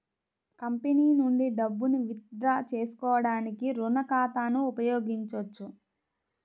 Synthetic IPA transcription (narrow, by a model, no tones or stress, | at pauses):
kɐmpeniːnuɳɖiɖɐbːuniʋit̪ɾaːt͡ʃeːsu̥kɔːʋɐɽaːnikiɾunɐkaːt̪aːnuːpɐjoːɡiɲt͡ʃot͡ʃːu